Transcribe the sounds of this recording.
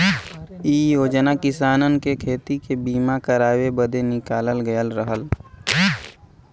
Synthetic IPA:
iːjoːd͡ʒnakɪsaːnənkekʰeːt̪ikebiːmakəɾaːwebəd̪ʱenɪkaːləlɡəjəlɾəɦəl

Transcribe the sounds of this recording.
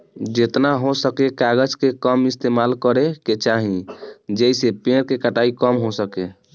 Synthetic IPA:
d͡ʒet̪naɦosəkekaɡəd͡ʒkekəmist̪emalkəɾeket͡ʃaɦĩd͡ʒejsepẽɾkekəʈaikəmɦosəke

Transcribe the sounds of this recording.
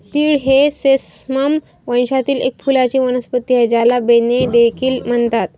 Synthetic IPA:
t̪iːɽɦeses | məm | ʋəjɕat̪iːlḛk̚fulat͡ɕiːʋənəspət̪ːied͡ʑalabened̪ekʰiːlm̤əɳt̪at̪̚

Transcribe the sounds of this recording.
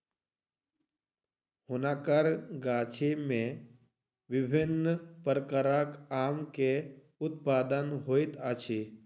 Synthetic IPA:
hʊnakəɾɡaːt͡ʃʰemẽ | ʋɪbʱɪnːpəɾəkəɾakaːmke | ʊt̪paːd̪ənɦoːit̪at͡ʃʰi

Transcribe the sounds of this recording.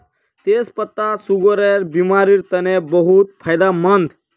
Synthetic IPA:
t̪espət̪ːasuɡoɾeɾbimaɾiɾt̪ənebəɦut̪̚pʰajd̪amənd̪

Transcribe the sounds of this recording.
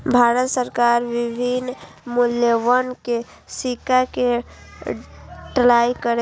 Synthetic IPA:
bʱaɾət̪səɾkaɾʋibʱin | muljewənke | sikake | ʈlaikəɾe

